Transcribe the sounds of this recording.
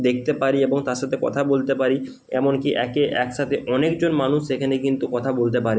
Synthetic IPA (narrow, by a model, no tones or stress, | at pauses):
d̪ek̚ʰt̪epaɾieboŋt̪aɾʃat̪ʰekɔ̰t̪ʰabolt̪epaɾi | ɛmonkiʔɛkeʔɛkʃat̪ʰeʔɔnek̚d͡ʑonmanuʃekʰanekint̪ukɔt̪ʰabolt̪̬epaɾe